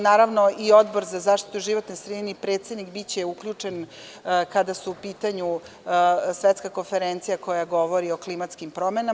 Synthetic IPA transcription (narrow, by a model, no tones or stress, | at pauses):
naːɾaʋno̞ʔio̞d̪bo̞ɾzazaːʃt̪i̥t̪uʒiʋo̞t̪nosɾed̪inipɾeːt̪sed̪nikbit͡ɕeukʎut͡ʂe̞n | kad̪asuupiːt̪aɲu | sʋet̪skako̞nfeɾent̪sijako̞jaɡo̞ʋo̞ɾio̞klimat̪skimpɾo̞mena